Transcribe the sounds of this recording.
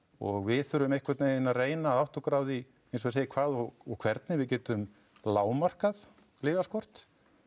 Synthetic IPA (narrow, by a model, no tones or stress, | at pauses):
ɔ̰ɣvɪðθʏɾʏmehkvɛt̪nejɪnareːjnaːðawht̪ɔkɾaːwði | ejns̬ɔseːjɪkʰvaːðɔɣɔɣkʰv̥ɛɾt̪nɪvɪðcɛːt̪ʏm | laːwmar̥kað | lɪːvaskɔr̥t̪